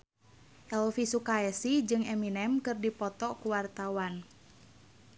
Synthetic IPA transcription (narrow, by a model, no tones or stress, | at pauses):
ʔɛlfisukaɛsid͡ʒɨŋɛminɛmkɨrdipɔt̪ɔkuwart̪awan